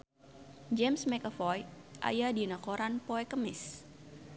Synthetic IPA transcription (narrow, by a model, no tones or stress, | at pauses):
d͡ʒɛmsmɛkəfɔjʔa̰jadinakoɾanpoɛkəmɪs